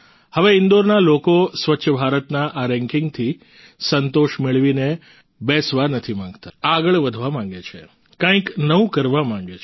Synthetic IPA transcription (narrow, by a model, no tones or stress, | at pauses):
həʋeɪnd̪oɾnalokosʋətːʃʰəbʱaɾət̪naʔaɾɛ̃ŋkɪŋɡ̚t̪ʰi | sənt̪oʃmeɭʋine | bɛsʋanət̪ʰimãŋɡt̪aaɡəɭʋəd̪ʱʋamãŋɡet͡ʃʰe | kãĩknəũkəɾʋamãŋɡet͡ʃ